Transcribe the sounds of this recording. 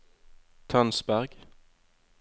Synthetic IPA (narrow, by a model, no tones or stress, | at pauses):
t̪ʰɑnsbæʁɡ̥